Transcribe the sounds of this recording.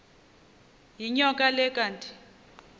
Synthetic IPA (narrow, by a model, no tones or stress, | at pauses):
jiɲɔkʼalɛkʼantʼi̥